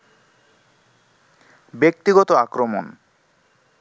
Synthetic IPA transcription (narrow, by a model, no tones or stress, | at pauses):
bek̚t̪iɡɔt̪oakɾomon